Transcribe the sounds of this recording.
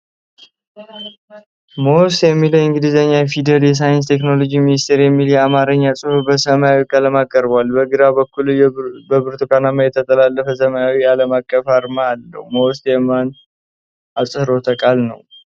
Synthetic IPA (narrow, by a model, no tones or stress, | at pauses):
mowst̪jɛmːiləɨŋɡɨd̪ɨzəɲːajɛfid̪əd̪jɛs̬ajɪnst̪ʰe̞kno̞lo̞d͡ʒiminist̪ʰeɾjɛmːiljɛamaɾəɲːasʼɨhubəsəmajawikʼaləmakʼːəɾbwalbəɡɨɾabəkːulbəbɨɾt̪ʰukʰʼanamajɛt̪ʰət̪ʼəlalːəfəsəmajawialəmakʼːəfaɾmaalːə̰wmowst̪jɛman | asʼɨhɾo̞t̪ʰəkʼalnə̰w